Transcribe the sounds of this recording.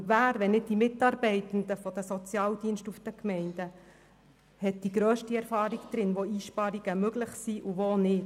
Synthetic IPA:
ʋæːɾʋɛnɪd̚d̥imɪt̪ːɑːɾbɛɪt̪ən̩d̪əfɔd̪əsɔt͡sjɑːld̥̪iːənʃtufd̥̪əkmɛɪnd̥̪ə | hɛt̚d̥iɡɾøːʃtiɛɾfɑːɾiɡd̪ɾɪnʋoiːʃpɑɾiɡ̥əmɵɡlɪχsiʔuʋonɪt

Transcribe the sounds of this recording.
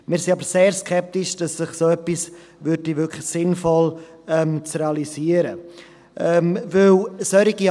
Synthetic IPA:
mɪːɾsinɑbəɾseːɾskʰɛp̚tiʃd̥ɑsːɪχsoœpːis | vʏɾdivʏkʰlɪsɪnfɔl | ɛmt͡sreɑliziəɾə | ʔɛmvɪlsœɾiɡi

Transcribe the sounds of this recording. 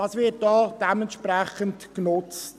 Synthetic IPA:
ɑsʋɪɐt̚d̥ɔːd̥ɛməntʃpɾɛχəntknʊt͡st

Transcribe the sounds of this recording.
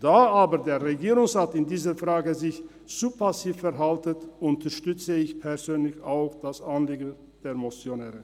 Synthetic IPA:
d̥aːaːbədeːɐʁeɡiːʁʊŋsʁaːtɪndiːzəfʁ̥aːɡəzɪç | t͡supʰasiːfːɛɐɦaltətʔʊntʰəʃtʏt͡səɪçpʰɛɐzøːnlɪçaʊxd̥asanliːɡn̩ | d̥eːɐmot͡sjonɛːʁə

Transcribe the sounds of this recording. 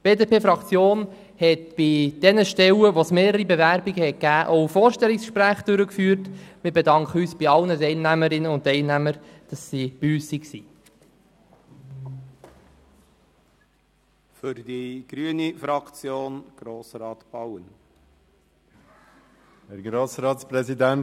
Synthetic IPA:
b̥eːdepʰeːfɾɑkt͡sjoːn | hɛtb̥id̥ɛnəʃtɛwəʋosmeːɾəɾibevæɾbiɡəhɛt̚kæːʔoʊfoːɾʃtɛliksʃpɾæːχd̥ʏɾəkfyːɾtmɪbedɑŋkχəyːsb̥iɑlnətɛɪlnæməɾɪnəʊntɛɪlnæməɾd̥ɑsːib̥iyːssiksi | fʏɾdiɡ̥ɾyənifɾɑkt͡sjoːnɡ̥ɾoːsɾɑːt̪b̥ɑwən | hɛɾɡɾoːsɾɑːtsprɛzidæn

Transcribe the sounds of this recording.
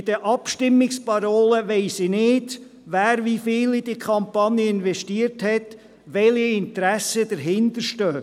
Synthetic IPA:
ɪd̥əʔɑpʃtɪmːɪkspɑɾoːləʋɛɪsinɪːd | ʋæːɾvifɪːlid̥ikʰχɑmpɑnjəɪnvɛʃtiəɾthɛt̪ | ʋɛliɪnt̪ɾæsəd̥̪əɾɦɪnd̪əɾʃtœː

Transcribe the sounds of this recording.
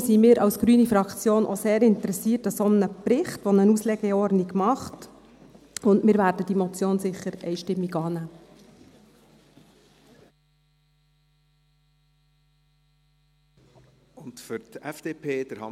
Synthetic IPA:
simɪːɾʔɑwsɡ̥ɾyːnifɾɑkt͡sjoːnʔɔseːɾɪntəɾɛsiːrtɑsomənəpɾɪχtʋɔnənuslɛɡɛɔrdniɡmɑχt | ʊndmɪːɾʋæːɾdəd̥imɔt͡sjoːnsɪχːəɾɛ̰ɪʃtɪmːiɡɑːnæː | ʊntfʏɾtɛfd̥eːpʰeːd̥əɾhɑ̰

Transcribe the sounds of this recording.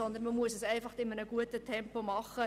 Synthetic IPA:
ɔnd̪ənməmuəsəsɛɪfɑχd̥ɪmənəɡuətətʰɛmpomɑχə

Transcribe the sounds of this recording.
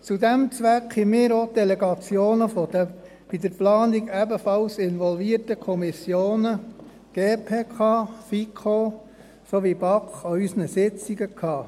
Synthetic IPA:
t͡sud̪æmt͡sʋækhimɪːɾod̥̪ɛlɛɡɑt͡sjoːnəfɔd̥ə | b̥id̪əɾplɑːniɡæbəfɑlsɪnʋɔlviərtəkʰɔmisjoːnə | ɡ̥eːpʰeːkʰɑːfikʰo | soʋibɑkχoysənəsɪt͡siɡəkʰɑː

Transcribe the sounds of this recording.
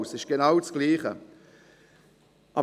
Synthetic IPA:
sɪʃɡ̥enawt͡sɡ̥liːχə̰ | ʔɑ̰

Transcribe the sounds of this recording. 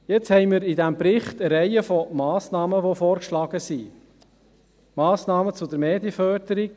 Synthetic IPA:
jet͡shɛɪmɪɾidæmbɾɪχtəɾɛɪəfɔmɑːsnɑːməʋofɔːɾkʃlɑːɡ̥əsi | mɑːsnɑːmət͡sʊd̪əɾmeːd̪jəfœɾdəɾik

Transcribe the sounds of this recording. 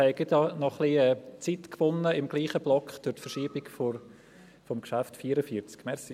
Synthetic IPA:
hɛɪɡɪtɑnɔχliɛːt͡sitkʋʊnːəɪmɡ̥liːχəblɔkχd̥ʊɾtfəɾʃiːb̥ɪɡfo | fɔmkʃaftfiːəɾəfiət͡skmɛɾsi

